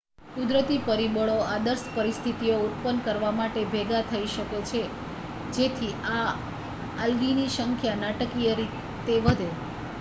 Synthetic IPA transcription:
kud̪ɾət̪ipəɾibəɭoad̪əɾspəɾist̪ʰit̪ijout̪pənkəɾʋamaʈebʱeɡat̪ʰəiʃəket͡ʃʰe | d͡ʒet̪ʰia | əlɡiniʃəŋkʰjanaʈəkijəɾi | t̪eʋəd̪ʱe

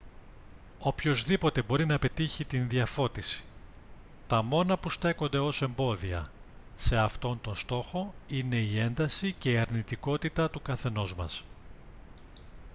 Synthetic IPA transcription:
o̞pço̞zðipo̞t̪e̞bo̞ɾinɐpe̞t̪içit̪inðiɐfo̞t̪isi̥ | t̪ɐmo̞nɐpust̪e̞ko̞nd̪e̞o̞se̞mbo̞ðiɐ̰ | se̞ɐft̪o̞nt̪o̞nst̪o̞xo̞ine̞ie̞nd̪ɐsice̞iɐɾnit̪iko̞t̪it̪ɐt̪ukɐθe̞nozmɐ̰s

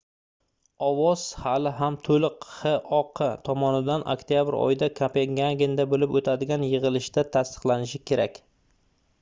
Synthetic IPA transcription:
ɒvɒz̥halɪɦamt̪ʰolɪqheʔɒqʰɨt̪ʰɒmɒnɪd̪anʔo̰kt̪ʰijabɪɾɒ̰jɪd̪akʰapeŋɡʲaŋɡʲɪnd̪abolɪpot̪ʰad̪ɪɡʲanjɨʁɨlɪʃd̪at̪ʰast̪ɨ̥qlˠanɪʃɪkʲʰe̞ɾakʲ

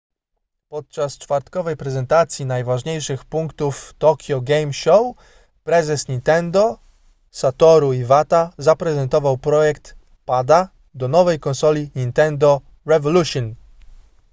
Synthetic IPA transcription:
pɔt̪̚t͡ʂast͡ʂfaɾt̪kɔvɛjpɾɛzɛnt̪at̪sʲjinajvaʐɲejʂɘxpuŋkt̪uft̪ɔkʲjɔɡɛjmʂɔw | pɾɛzɛsɲint̪ɛnd̪ɔ | sat̪ɔɾuivat̪azapɾɛzɛnt̪ɔvawpɾɔjɛkt̪ | pad̪a | d̪ɔnɔvɛjkɔnsɔlʲiɲint̪ɛnd̪ɔ | ɾɛvɔluɕɔn

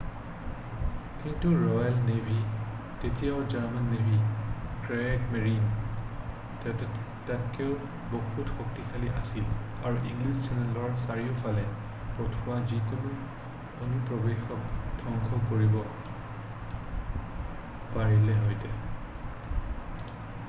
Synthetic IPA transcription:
kintuɹɔjalnebʱi | tetijaʊd͡ʒaɹmanːebʱikɹekmeɹin | tɛ | tatkeʊ | bohutxoktixʰaliʔa̰silaɹuʔiŋɡlist͡ʃɛnɛlɔɹsaɹiʊpʰalɛ | pɹɔtʰʊwazikonu | onupɹɔbexɔkdʱɔŋkʰɔkoɹibɔ | paɹilɛɦɔjtɛ

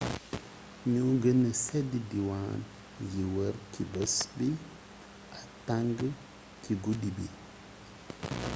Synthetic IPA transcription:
ɲuɡənəsɛdidiwan | jiwəɾkibəsbi | ataŋɡ | kiɡudibi

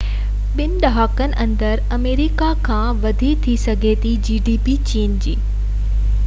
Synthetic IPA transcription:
ɓɪn̆ɗɐɦaːkənɪ̆ʔɐ̃nd̪əɾɐmeːɾikakʰãːʋɐd̪ʱit̪ʰisɐɡʱet̪ʰid͡ʑiːɖiːpit͡ɕiːnd͡ʑiː

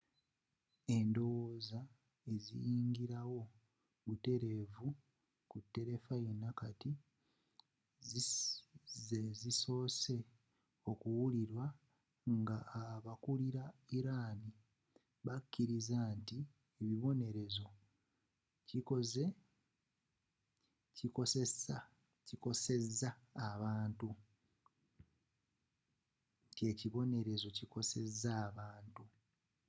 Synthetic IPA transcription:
e̞ndo̞woːza | e̞zḭjiːŋɡiɾawo̞ | βute̞ɾe̞vu | kutːe̞ɾe̞fajenːakati | eziso̞ːse̞ | o̞kuwuliɾwa | ŋɡaːβakuliɾaiɾaːni | βakːiɾizanti | eβiβo̞ne̞ɾe̞zo̞ | cikoze | cikosesa | ciko̞se̞zːaːβaːntu | ntie̞ciβo̞ne̞ɾe̞zo̞ciko̞se̞zːaːβaːntu

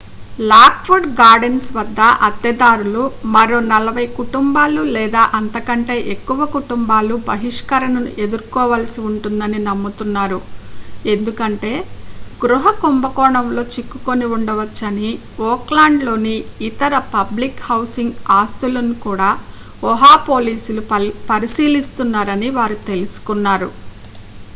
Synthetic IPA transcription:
laːkʋuɾɖɡaːɾɖensʋɐd̪ːɐʔɐt̪ːjɐd̪aːɾulumɐɾo̞ːnɐlɐbʱɐjkuʈumbaːlulɛːd̪aːʔɐnt̪ɐkɐɳʈe̞ːʔekːuʋɐkuʈumbaːlubɐɦiʂkɐɾɐnɐnṵʔe̞d̪uɾkɔːʋaːlɐsiuɳʈund̪ɐninɐmːut̪unːaːɾue̞nd̪ukɐɳʈe̞ːɡɾuɦɐkombɐkɔːɳɐmlo̞ːt͡ʃikːu̥ko̞niuɳɖɐʋɐt͡ʃːɐni | ɔːklaːɳɖlo̞ːniːt̪ɐɾɐpɐblikhɐwsiŋɡaːst̪ulɐnukuːɽaː | ɔɦaːpo̞ːliːsulupɐɾisiːlist̪unːaːɾɐniʋaːɾut̪e̞lisu̥kunːaːɾu

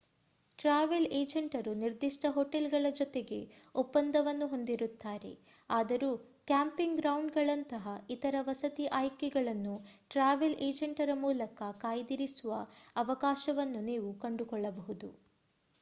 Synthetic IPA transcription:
ʈɾaːʋeleːd͡ʒɐɳʈɐɾuniɾd̪iʂʈɐɦoʈelɡɐɭɐd͡ʒɔt̪eɡe̞̰upːɐnd̪ɐʋɐnːuɦo̞nd̪iɾut̪ːaːɾe̞̰ | aːd̪ɐɾuː | kjaːmpiŋɡɾɐwɳɖɡɐɭɐnt̪ɐɦɐit̪ɐɾɐʋɐsɐt̪iʔaːjkɛɡɐɭɐnːuʈɾaːʋeleːd͡ʒɐɳʈɐɾɐmuːlɐkɐkaːjd̪iɾisuʋɐɐʋɐkaːʃɐʋɐnːuniːʋukɐɳɖukɔɭːɐbɐɦud̪u

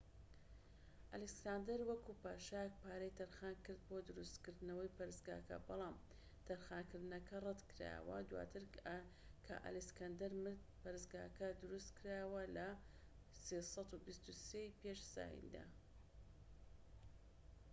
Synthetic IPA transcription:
ʔɐliskaːnd̪ɐɾwɐkupaːʃajek̚paːɾejt̪ɐɾxaːnkɨɾd̪̚bod̪ɨɾust̪kɨɾd̪ɨnɐwɐjpɐɾɨsɡa̰ːkɐ̰bɑlˠɑːm | t̪ɐɾxaːnkɨɾd̪ɨnɐkʰɐrˤɛt̪kɨɾa̰ːwɐ̰d̪wa̰ːt̪ʰɨɾ | kʰɐ̰ʔɐ̰liskand̪ɐɾmɨ | pɐɾɨsɡa̰ːkɐd̪ʊɾust̪kɨɾawɐlɐ | sesˤɑt̪ubist̪usejpeʃz̥a̰ːjḭnd̪a̰ː

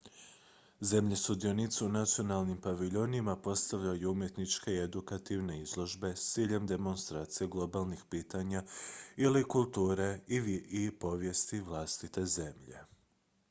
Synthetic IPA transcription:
ze̞mʎesud̪io̞nit̪siunat̪sio̞naːlˠnimpaʋiʎo̞nimapo̞tst̪aʋʎajuumje̞t̪nit͡ʃke̞ie̞d̪ukat̪iʋne̞izlˠo̞ʒbe̞st̪siːʎe̞md̪e̞mo̞nst̪ɾaːt̪sijeɡlˠo̞balˠnixpiːt̪aɲailikulˠt̪uːɾe̞iipo̞ʋje̞st̪iʋlˠast̪it̪e̞ze̞mʎe̞̰

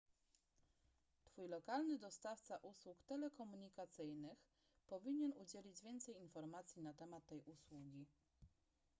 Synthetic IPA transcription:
t̪fujlɔkalnɘd̪ɔst̪aft̪saʔuswukt̪ɛlɛkɔmuɲikat̪sɘjnɘx | pɔvʲiɲɛnud͡ʑelʲid͡ʑvʲjɛnt̪sɛjinfɔɾmat̪sʲjinat̪ɛmat̪ːɛjʔuswuɡʲi

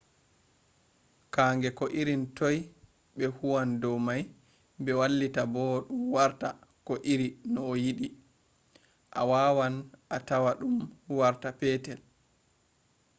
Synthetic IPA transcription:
kaːŋɡɛkɔʔiɾintɔj | ɓɛhuwandɔwmaj | bɛwalːitabɔɗumwaɾtakɔʔiɾinɔːjiɗi | ʔa̰waːwanʔatawaɗumwaɾtapɛːtɛl

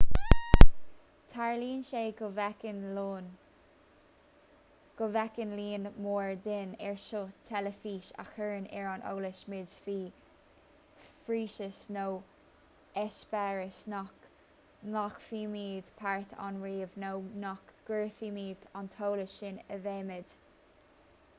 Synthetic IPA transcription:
t̪ʰaɹliːnʃeːɡ | n | ɡ̥ʊvɛkənliːnmoːɹd̪ɪnɛɹʃʊt̪ʰɛləfiːʃa̰xəɹnɛɹanʔo̰ːləʃmɪd͡ʒfiː | fɹiːʃəsnow | ɛspɛɹəsnk | nakfiːmiːd̪̥pʰaɹt̪ʰa̰nɹiːvnonɔkɡ̥əɹfiːmiːd̪ant̪ʰoːləʃɪnəvɛmɪd̪̥

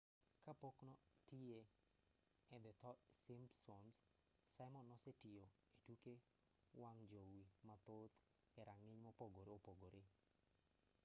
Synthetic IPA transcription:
kapoknɔtije | ɛd̪ɛt̪ɔsɪmpsoms | sajmɔnːɔsetɪjo | etuke | waŋd͡ʒowimat̪ot̪ | ɛɾaŋɪɲmɔpoɡoɾeopoɡoɾe

